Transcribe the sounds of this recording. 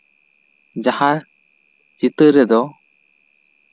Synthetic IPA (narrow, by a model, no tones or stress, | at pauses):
d͡ʒahaɾ | t͡ʃit̪əʔɾɛd̪ɔ